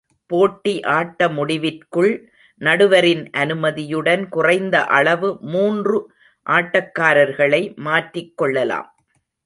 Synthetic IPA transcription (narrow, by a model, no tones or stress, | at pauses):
poːʈːiʔaːʈːɐmʊɽɪʋɪrkɯɭ | nɐɽɯʋɐɾɪnʔɐnɯmɐðɪjɯɽɐnkʊrɐɪnd̪ɐʔɐɭɐʋɯmuːndrɯ | ʔaːʈːɐkːaːɾɐɾɣɐɭɐɪmaːʈrɪkːɔɭːɐla̰ːm